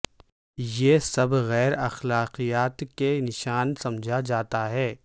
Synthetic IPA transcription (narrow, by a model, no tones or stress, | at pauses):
jeːsɐbɣɛːɾɐxlaːqijaːt̪kenɪʃaːnsɐ̃md͡ʒʱad͡ʒaːt̪aɦɛː